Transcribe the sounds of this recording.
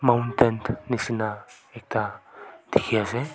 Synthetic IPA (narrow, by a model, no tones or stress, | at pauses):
mawnt̪ent̪nisinaek̚t̪at̪ixiaze